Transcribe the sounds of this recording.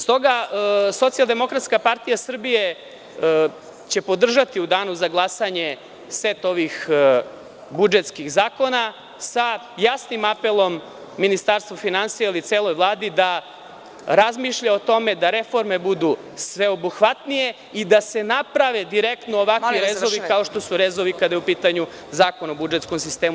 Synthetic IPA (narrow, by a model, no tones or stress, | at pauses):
st̪o̞ɡaso̞t̪sijalˠd̪e̞mo̞kɾat̪skapaɾt̪ijasr̩bije̞ | t͡ɕe̞po̞d̪r̩ʒat̪iud̪aːnuzaɡlˠasaɲe̞ | set̪o̞ʋix | bud͡ʒet̪skiɣzaːko̞na | sa | jasnimape̞lˠo̞mː | inist̪aɾst̪vʋofinansijailit̪seːlˠo̞jʋlˠaːd̪id̪a | ɾazmiʃʎao̞t̪o̞me̞d̪aɾe̞fo̞ɾme̞bud̪u | sʋe̞o̞buxʋat̪nije̞ | id̪ase̞napɾaʋe̞d̪iɾekt̪nooʋakʋiɾezoʋikaoʃt̪o̞suɾezoʋikad̪ajeupiːt̪aɲu | zaːkonobud͡ʒet̪sko̞msist̪eːmu